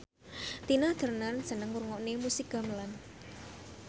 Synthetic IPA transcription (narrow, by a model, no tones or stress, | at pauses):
t̪inḁd̪̥ə̤rnərd̥ʒ̥ə̤nəŋurŋɔnemusiɡa̤məlan